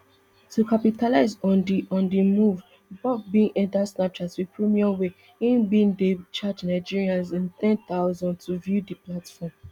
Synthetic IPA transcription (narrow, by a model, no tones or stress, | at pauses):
tukapitalaɪzɔ̃ndiʔɔ̃ndimuv | bɔtbĩŋʔɛ̃ntasnap̚t͡ʃatswipɹimiãwe | ĩnbĩndet͡ʃad͡ʒnaɪd͡ʒiɹiãnzĩnt̪ɛ̃nt̪aʊzɔ̃ndtʰuvjudiplatfɔm